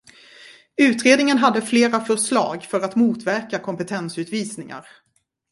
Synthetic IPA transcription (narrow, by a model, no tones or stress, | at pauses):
ʉ̟ːt̪ɾeːd̪nɪŋənɦad̪ːəfleːɾafœʂlɑ̰ːɡfœɾat̪muːt̪væɾkakʰɔmpɛt̪ʰɛnsʉ̟ːt̪viːsnɪŋa̰ɾ